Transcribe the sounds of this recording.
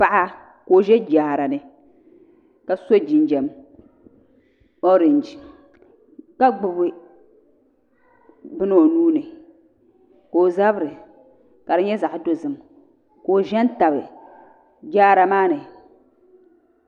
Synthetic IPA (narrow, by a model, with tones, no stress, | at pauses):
pa˦ʔa˦ | ko˨ʒɛ˦d͡ʒaː˨ɾa˨nɨ˨ | ka˨so˦d͡ʒi˨nd͡ʒɛ˨m | o˦ɾɪ˨n˨d͡ʒi˨ | ka˦ɡ͡bʊ˨bɨ˦ | bɨ˦n˦o˨nuː˦nɨ˨ | ko˨za˦bɾɨ˨ | ka˨ɾɨ˦ɲɛ˦za˨ʔʊ˨do˦zɨ˨m | ko˨ʒɛ˦n˦ta˨bɨ˨ | d͡ʒaː˦ɾa˨maː˦nɨ˨